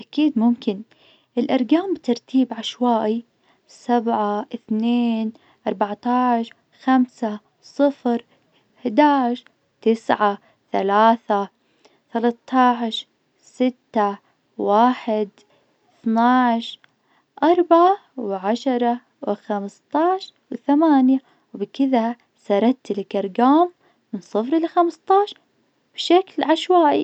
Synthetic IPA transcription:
ʔakiːd̪mʊmkɪn | ʔɪlʔɑɾˤɡaːmbt̪ɑɾˤt̪ʰiːbʕaʃwaːʔi | sabʕaʔɪθneːn | ʔɑɾˤbaʕt̪ɑːʕʃ | xamsa | sˤɨfɾ | hɪd̪aːʕʃ | t̪ɪsʕa | θa̰laːθa | θalɑt̪ʰːɑːʕʃ | sɪt̪ːa | waːħɪd̪ | θnaʕʃ | ʔɑɾˤbʕawʕaʃɑɾˤɑ | wxamst̪ˤɑʕʃwθamaːnja | wbkɪða | sɑɾˤɑt̪lkɑɾˤɡaːmː | ɪnsˤɨfɾɪlxamst̪ˤɑːʃ | b̥ʃaklʕaʃwaːʔi

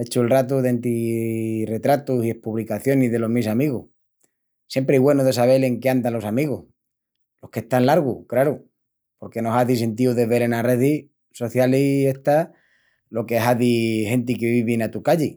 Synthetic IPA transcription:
e̞t͡ʃuelrat̪uðeant̪i | re̞t̪ɾat̪usie̞hpuβlikaθjo̞niðe̞lo̞ɦmisamiɣuh | sjempɾeejɣwe̞noðe̞saβ̞e̞le̞ŋkeand̪anlo̞samiɣoh | lo̞hke̞ht̪anlaɾɣukɾaɾu | po̞ɾke̞no̞saðis̬e̞nt̪̬iuðe̞βele̞nare̞ði | so̞θjalie̞ht̪a | lo̞keɦaðihe̞nt̪̬ikeβiβenat̪ukaʎi

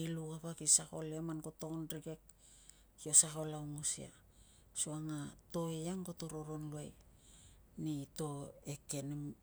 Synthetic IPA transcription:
ilukapakisako̞leamankotokonɾiɡe̞k̚ | hio̞sako̞lawŋosḭa̰ | suaŋato̞ejaŋkoto̞ɾo̞ɾo̞nluaj | nito̞e̞ke̞nim

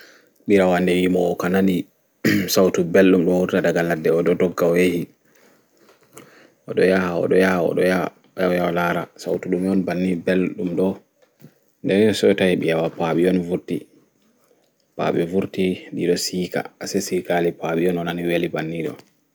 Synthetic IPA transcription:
ɓiɾawandɛwimɔːkanani | sawtubelɗumɗɔhuɾtadaɡaladːɛɔɗɔdɔɡːawehi | ʔɔɗɔjahaɔ̰ɗɔjahaɔ̰ɗɔja | jawjawalaɾa̰sawtuɗumɔnbanːibelɗumɗɔ | ndɛɔsɔɔtahiɓijawapaɓiɔnvuɾti | pa̰ɓɛvuɾtindiɗɔsiːka̰asɛsikalipaɓijɔnɔnaniwelibanːiɗɔ̰

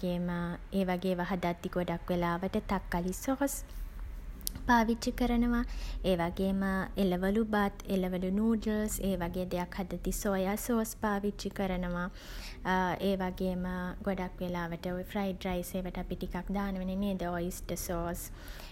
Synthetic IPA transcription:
eːməeːʋaɡeːʋəɦad̪at̪ːiɡoɖakʋelaːʋəʈət̪akːalisoːs | paːʋit͡ʃikəɾənəʋaeːʋaɡeːməeləʋəlubat̪eləʋəlunuːɖəlseːʋaɡeːd̪ejakhad̪at̪isojasoːspaːʋit͡ʃːikəɾənəʋa | eːʋaɡeːməɡoɖakʋelaːʋəʈəfrajɖrajseːʋəʈəapiʈikakd̪aːnəʋeneneːd̪əoisʈəsoːs

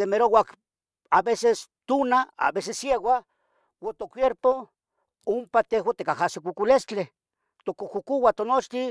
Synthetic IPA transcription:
emeɾowak | abesest̪unaa̰besesːjewa | wot̪okʷjeɾpo | umpat̪eɦwat̪ekahasikʷukulest͡ɬe | t̪okukukuwat̪onot͡ʃt̪i

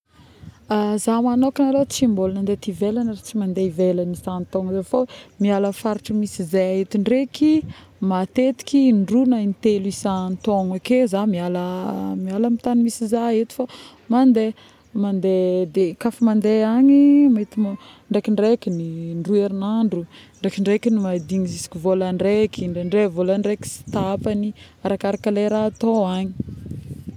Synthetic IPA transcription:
azamanokinalot͡simbolnand̪et̪ivelanaɾat͡simand̪evelanisant̪oŋzafomialəfaɾiʈ͡ʂəmisizajaɦet̪iɳɖ͡ʐeki | mat̪et̪i̥kiɳɖ͡ʐunanit̪elisant̪oŋakezamialəmialəmit̪animisizaet̪i̥fa | mand̪e | mand̪ed̪ekafimand̪eaɲimait̪im | ɳɖ͡ʐekiɳɖ͡ʐekʲiniɳɖ͡ʐueɾinaɳɖ͡ʐuɳɖ͡ʐekiɳɖ͡ʐekinimad̪iŋizisi̥kʲivolaɳɖ͡ʐekiɳeɳɖ͡ʐevolaɳɖ͡ʐeki̥si̥t̪aapani | aɾakaɾakaleɾaːt̪oaɲi

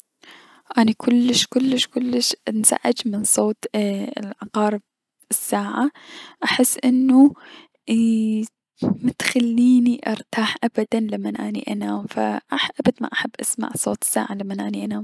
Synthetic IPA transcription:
ʔanakʰʊlːɪʃkʊlːɪʃkʊlːɪʃnz̥a̰ʕɪd͡ʒmɪnsˤoːt̪lʕɑqɑːɾɪb̚ | ɪsːaːʕaʔaħɪsːʔɪnːu | mɪt̪xalːiːniʔɑɾˤt̪aːħʔabad̪anlamːanʔaːnḭʔanaːmfa̰ʔaħʔabad̪ma̰ʔaħabːʔasma̰ʕsˤoːt̪ˤɪ̥sːa̰ːʕalamːanʔaːniʔanaːm

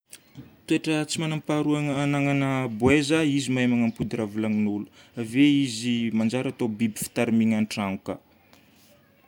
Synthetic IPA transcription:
t̪ueʈ͡ʂət͡simanampaɾuaŋanaŋanəbwezaizimaemaŋəmpud̪iɾavulaŋinulu̥aveizimand͡ʒaɾat̪obibi̥fi̥t̪aɾimiŋanʈ͡ʂaŋukə̰

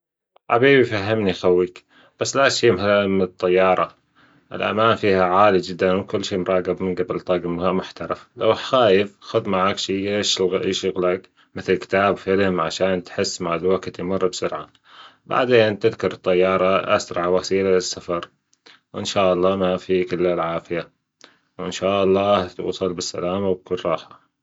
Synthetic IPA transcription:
ʕa̰biːbifaɦːamnixawːik | b̥asːlaʔʃiːmhalmɪnt̪ˤːɑjːɑːɾˤɑ̰ | ʔɪ̰lʔa̰maːnfiːhaʕaːlid͡ʒɪd̪ːanwkʊlːʃiːmɾˤɑːɡɪbmɪnɡabɪlt̪ˤɑːɡɪmhamʊħt̪ɑɾˤɑfla̰wxaːjɪfxʊðmaʕaːkʃiːʔeːʃɣʔeːʃʊɣlak | mɪθɪlkɪ̥t̪aːbfɪlmʕaʃaːnt̪ħɪsːmaʕɪlwakt̪jmʊrˤːbsʊɾʕa̰ | ba̰ʕd̪eːnt̪ɪðkʊɾˤɨt̪ˤːɑjːɑːɾˤɑʔa̰sɾˤɑʕwasiːlalɪsːafɑɾˤ | wʔɪ̰nʃaːʔɑlˤːɑːmafikɪlːalʕaːfɪja | wɪnʃaːʔɑlˤːɑːt̪ṵːsˤɑlbɪsːa̰laːmawkʊlrˤɑːħḁ

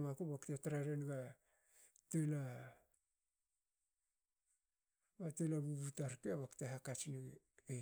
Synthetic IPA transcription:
makobaktetaɾaɾenɡa | tela | batelabuɡutaɾkeaβakteɦakat͡ʃni

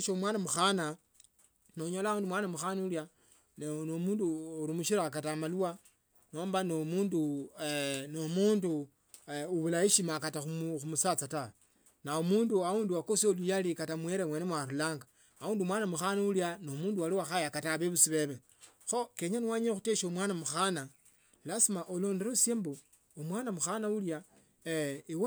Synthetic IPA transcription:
ʃomwanamuxana | noɲolauːndumwaːnamuxanulja | nenomuːnduoɾimuʃiɾakatamaluwa | noːmbanomuːndu | nomuːndu | uβulaiʃimakataxuxumusat͡satawe | naomuːnduauːnduakosolujalikatamweɾemwenemwaɾulaːŋɡa | auːndumwaːnamuxanauljanomuːndualiwaxajakataβeβusiβe̞βe | xo̞keɲaniwaɲexuteʃomwaːnamuxana | lasimaʔolo̞ːnde̞ɾosjeːmbo | omwaːnamuxanaulja | iw

